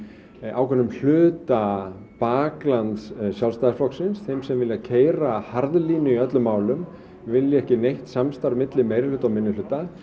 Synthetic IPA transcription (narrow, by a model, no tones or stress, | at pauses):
a̰wkʰɛnːʏml̥ʏːt̪apaːklant̪ssjawlst̪aðɪɾflɔksɪnsθejmsɛmvɪljacʰeːjɾahaɾðliːnʏiœt̪lʏmːaːwlʏm | vɪljɪɛhcɪnejht̪samst̪aɾmɪt̪lɪmejɾɪlʏːt̪awmɪnːʏlʏːt̪a